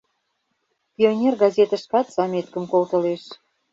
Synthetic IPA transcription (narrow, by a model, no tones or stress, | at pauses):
pʲionʲerɡɑzʲet̪ə̆ʃkɑt̪zɑmʲet̪kə̆mkolt̪ə̆leʃ